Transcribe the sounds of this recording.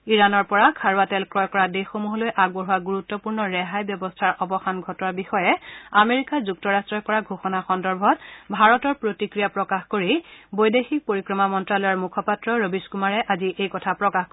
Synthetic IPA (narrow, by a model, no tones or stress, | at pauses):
iɹanɔɹpɔɹakʰaɹwatɛlkɹɔjkɔɹadexomuɦɔlojʔaɡ̚bɔɦuwaɡuɹutːɔpuɹnɔɹɛɦajbjɔbɔstʰaɹʔɔbɔxanɡʱɔtɔnaɹbixɔjɛameɹikazuktɔɹastɹɔjkɔɹaɡʱoxɔnaxɔndɔɹbʱɔt̚bʱaɹɔtɔɹpɹotikɹijapɹɔkaxkoɹibojdexik̚poɹikɹɔmamɔntɹalɔjɔɹmukʰɔpatɹɔɹobiskumaɹɛʔaziʔejkɔtʰapɹɔkax